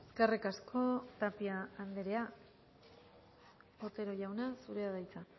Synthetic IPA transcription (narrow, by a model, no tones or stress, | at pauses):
eskarikaskʰo̞t̪apiaːnd̪eɾe̞a | ot̪e̞ɾo̞ʝawnasuɾe̞aðajt͡sa